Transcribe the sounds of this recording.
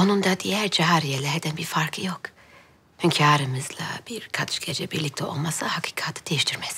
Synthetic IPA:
o̞nund̪ad̪ijæɾd͡ʒaɦaɾijelʲɛɦɛd̪ænbiɾfaɾkʰˠɯjo̞k | hɛmcʰaːɾɯmɯzlˠa̰b̥iɾkʰat̪ʃɡed͡ʒɛbiɾlʲic̚t̪ʰɛo̞̰lˠmasahakʰi̥ːkʰat̪ʰɯ̥d̪ejiʃt̪ʰiɾmɛs

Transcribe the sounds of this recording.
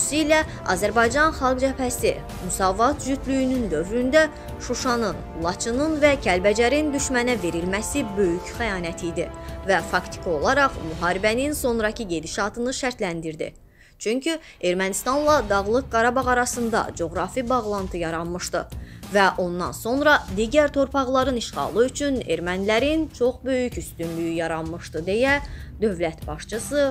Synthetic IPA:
siilæ | ɑ̰zæɾbɑjd͡ʒɑnχɑlˠɡd͡ʒæpʰæsi | mysɑːvɑt̪ʒyt̪ʰlyjynynd̪ø̞vɾynd̪æ | ʃuʃɑnɯn | lˠɑt͡ʃʰɯnɯnvæcʰælbæd͡ʒæɾind̪yʃmænæve̞ɾilmæsibø̞jycʰχæjɑːnæt̪ʰijd̪ivæfɑkt̪ʰi̥kʰo̞lˠɑɾɑχmyɦɑːɾibæninso̞nɾɑcʰɯɟe̞d̪iʃɑt̪ʰɯnɯʃæɾt̪lænd̪iɾd̪ḭ | t͡ʃʰyɲcʰy | e̞ɾmænist̪ɑnlˠɑd̪ɑɣlˠɯk̚ɡɑɾɑbɑʁɑɾɑsɯnd̪ɑ̰d͡ʒo̞ɣɾɑfibɑɣlˠɑnt̪ʰɯjɑɾɑnmɯʃt̪ɯvæʔo̞nd̪ɑ̰nso̞nɾɑd̪iɟæɾt̪ʰo̞ɾpʰɑʁlˠɑɾɯniʃʁɑ̰ːlˠɯyt͡ʃʰyne̞̰ɾmænlæɾint͡ʃʰo̞χbø̞jycyst̪ynlyjyjɑɾɑnmɯʃt̪ɯd̪e̞jæd̪ø̞vlæt̪bɑʃt͡ʃʰɯsɯ

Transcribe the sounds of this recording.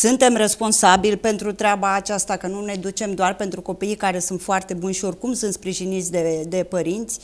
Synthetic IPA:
sunt̪e̞mre̞spo̞nsabilpe̞nt̪ɾut̪ɾeabaːt͡ʃast̪akənune̞d̪ut͡ʃe̞md̪oarpent̪ɾuko̞piːjkaɾe̞sunt̪foart̪e̞bunʃio̞rkumsunt̪spɾiʒinit̪sʲd̪e̞d̪e̞pəɾint̪sʲ

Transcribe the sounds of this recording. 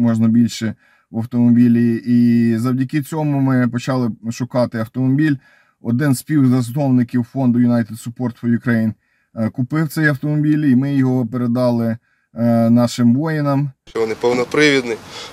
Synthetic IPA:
mɔʒnɐbʲilʲʃɛ | ʋɐwt̪ɔmɔbʲilʲiizɐwdʲɐkɪt͡sʲɔmʊmɪpɔt͡ʃɑlˠɪʃʊkɑt̪ɪɐwt̪ɔmɔbʲilʲ | ɔ̰d̪ɪnspʲiwzɐznɔwnɪkʲiwfɔnd̪ʊjʊnɑjt̪ed̪sʊpɔrt̪fɔjʊkɾɐjin | kʊpɪwt̪sɛjɐwt̪ɔmɔbʲilʲimɪjɔɦɔpeɾed̪ɑlˠɪ | nɑʃɪmʋɔjɪnɐmt͡ʃɔʋɔnɪpɔwnɔpɾɪʋʲid̪nɪ

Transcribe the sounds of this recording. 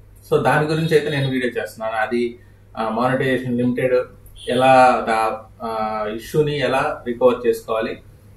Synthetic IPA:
so̞ːd̪aːniɡuɾiɲt͡ʃɐjt̪ene̞ːnuʋiːɽijoːt͡ʃe̞ːst̪unːaːnuɐd̪i | maːniʈid͡ʒeːʂɐnlimiʈeɖɛlaːd̪a | iʂːuniɛlaːɾikoːɾɖ̚t͡ʃeːsu̥kɔːʋaːli

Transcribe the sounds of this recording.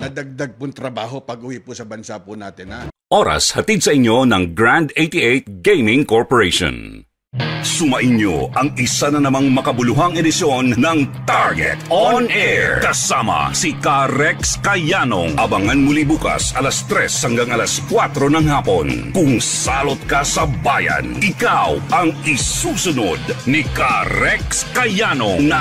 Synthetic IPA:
nɐd̪ɐɡ̚d̪aɡ̚pʊŋt̪ɾɐbaːɦopɐɡ̚uwipʊsɐbɐnsapʊnaːt̪ɪnaʔo̞ɾɐ̰shɐt̪id̪sɐʔɪɲːo̞nɐŋɡɹand̪ejt̪iʔejt̪̚ɡejmɪŋkoɹpoɹejʃõ̰n | sʊmɐʔɪnjo̰ɐŋɪsanɐnɐmaŋmɐkɐbʊlʊɦaŋɛd̪ɪsjo̞nːɐŋt̪aɹɡɛ̰t̪onʔɛɹkɐsamɐ̰sikaɾɛkskɐjano̰ŋʔɐbɐŋɐnmʊlibuːkɐ̰sɐlɐst̪ɾɛshɐŋɡaŋɐlɐskwat̪ɾo̞nɐŋhaːpo̞nkʊŋsaːlot̪̚kɐsɐbaːjɐ̰nɪkawʔɐŋɪsuːsʊnod̪nikaɾɛkskɐjanonɐ

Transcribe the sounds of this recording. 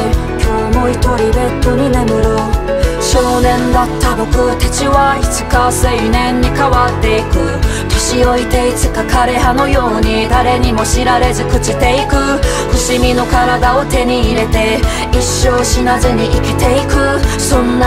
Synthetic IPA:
kʲoːmo̞it̪o̞ɾʲibe̞t̪ːoɲ̟inemɯ̟ɾɯ | ɕoːnẽ̞nd̪at̪ːabo̞kɯ̟t̪e̞t͡ɕiβait͡si̥kaseinẽ̞ɲ̟ːikaβat̪ːe̞ikɯ̟ | t̪eɕio̞it̪e̞it͡sɨkakaɾe̞ɦano̞jo̞ːɲ̟id̪aɾe̞ɲ̟imo̞ɕiɾaɾe̞zɨkɯ̟t͡ɕit̪e̞ikɯ̟ | ɸɯ̟ɕimʲino̞kaɾad̪ao̞t̪e̞ɲ̟iːɾe̞t̪e̞ | iɕːo̞ːɕinazɨɲ̟iʔikʲit̪e̞ikɯ̟sõ̞nː

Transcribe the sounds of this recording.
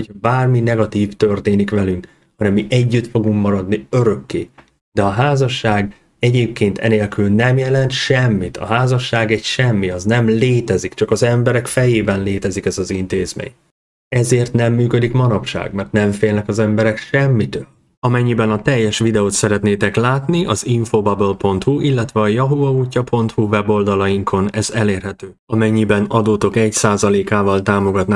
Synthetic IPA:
hocʰhɒbaːrminɛɡɒt̪iːft̪ørt̪eːnikʋɛlyŋk | hɒnɛmːiʔɛɟːyt̪fo̞ɡuŋkmɒɾɒd̪niø̞ɾø̞kːḛː | d̪ɛɒɦaːzɒʃːaːɡ | ɛɟeːp̚keːnt̪ʰɛ̰neːlkylnɛmjɛlɛnt̪ʃɛmːit̪ʰɒ̰ɦaːzɒʃːaːɡɛɟʃɛmːiɒznɛmleːt̪ɛzikt͡ʃɒkɒzɛmbɛɾɛkfɛjeːbɛnleːt̪ɛzikɛzɒzint̪eːzmḛːɲ | ɛzeːrt̪nɛmːyːkød̪ikmɒnɒpʃa̰ːɡmɛrt̪nɛɱfeːlnɛkɒzɛmbɛɾɛkʃɛmːit̪øːl | ɒmɛɲːibɛnɒt̪ɛjːɛʃʋid̪ɛoːt̪sɛɾɛt̪neːt̪ɛklaːt̪niʔɒziɱfobɒbølpo̞nt̪huʔilːɛt̪ʋɛɒjɒɦuɒuːcːɒpʰo̞nt̪huvɛbo̞ld̪ɒlɒjiŋkʰo̞nɛzɛleːrɦɛt̪øːɒmɛɲːibɛnɒd̪oːt̪o̞kɛcsaːzɒleːkaːvɒlt̪aːmo̞ɡɒt̪naː

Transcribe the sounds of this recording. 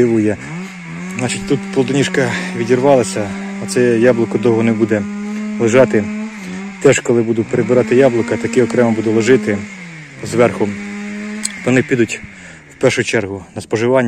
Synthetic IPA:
ɪʋʊjɛ | nɑt͡ʃitʲt̪ut̪pɔlˠd̪ɔnʲiʃkɐʋʲidʲirʋɑlˠɐsʲɐɐt̪sɛjɑblˠʊkɔd̪ɔwɦɔnɛbud̪ɛlˠeʒɑt̪ɪ | t̪ɛʒkɔlˠɪbud̪ʊpeɾebɪɾɑt̪ɪjɑblˠʊkɐt̪ɐkɪɔkɾɛmɐbud̪ʊlˠɔʒɪt̪ɪ | zʋɛrxʊ | t̪ɔɔnɪpʲid̪ʊtʲ | wpɛrʃʊt͡ʃɛrɦʊnɐspɔʒɪʋɑnʲː

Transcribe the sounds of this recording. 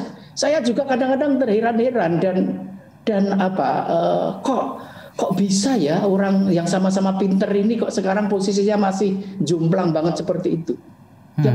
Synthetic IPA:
sajad͡ʒuɡakadaŋkadaŋt̪ərheɾanɦeɾandan | d̥anapa̰ə̰kɔʔ | kɔʔb̥isajaoɾaŋjaŋsamas̬amapint̪ərinikɔʔsəkaɾaŋposis̬iɲamasɪhd͡ʒumplaŋbaŋət̪̚səpərt̪iːt̪u | ja

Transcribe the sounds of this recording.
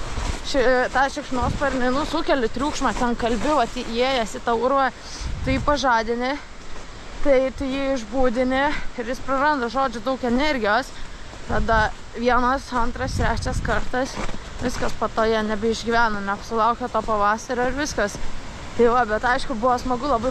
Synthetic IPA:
ʃʲɛt̪ɑːʃʲɛkʃʲnoːspɐrʲnʲɪnʊsʊkʲɛlʲɪt̪ʲɾʲuːkʃmɑt̪ʲɛnkɐlʲbʲɪʋɐt̪ʲiːʔeːjɛsɪt̪ɐʊɾʋɐ | t̪ɪjiːpɐʒɑːd̪ʲɪnʲɪ | t̪ɐɪt̪ʊjiːɪʒbuːd̪ʲɪnʲɪɪɾjɪspɾɐrɐnd̪ɐʒoːd͡ʒʲʊd̪ɐʊkɛnʲɛɾʲɡʲɪjoːst̪ɑd̪ɐ | ʋʲiɛnɐsɐnt̪ɾɐst̪ʲɾʲæːt͡ʃʲɛskɐrt̪ɐs | ʋʲɪskɐspoːt̪oːjɛnʲɛbʲɪɪʒʲɡʲiʋʲæːnɐnʲɛpsʲʊlˠɐʊkʲot̪oːpɐʋɑːsɐɾoːɪɾʋʲɪskɐs | t̪ɐɪʋɐbʲɛt̪ɐɪʃkʊbʊʋɐsmɐɡʊlˠɐbɐɪ

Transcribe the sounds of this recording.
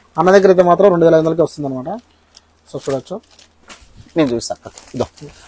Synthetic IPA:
ɐnːad̪ik̬ɐɾit̪̬emaːt̪ɾɐmɾeɳɖuʋeːlɐʋinɐkeːʋɐst̪und̪ɐnɐmaːʈɐ | sɐsʈuɽʋɐt͡ʃːu | neːnd͡ʒuːssakːɐkid̪oː

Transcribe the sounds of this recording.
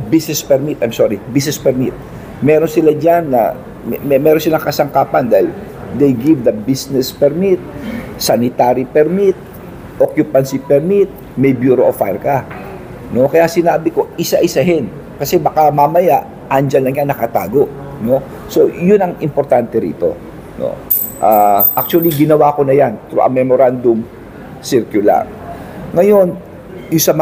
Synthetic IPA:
bisnɛspɛɾmit̪ʔajmsoːɹibisnɛspɛɾmit̪̚ | mɛɾonsɪlad͡ʒanːɐ̰ | mmɛmɛːɾonsɪlaŋkɐsɐŋkaːpɐnd̪aːhɪl | d̪ejɡivd̪ɐbisnɛspɛɾmit̪̚sanɪt̪aːɾipɛɾmit̪̚ | ʔokjʊpansipɛɾmit̪̚ | mɛjbjuːɾoʔofajɾka | no̞kɐjasɪnaːbɪko̞ʔɪsaʔɪsaɦɛn | kɐsɛbɐkamamɐjaʔ | ʔand͡ʒɐnlɐŋjaŋnɐkɐt̪a̰ːɡo̞ʔ | no̞ | so̞jʊnɐŋʔɪmpoɾt̪ant̪ɛɾḭːt̪o̞̰ | no̰ | ʔaːʔak̚t͡ʃuɐliɡɪnɐwaːko̞nɐjant̪ɾṵʔɐ̰ŋmɛmoɾand̪ʊm | sɪɾkjʊla̰ɾ | ŋɐjo̞n | jʊŋsɐmɐ

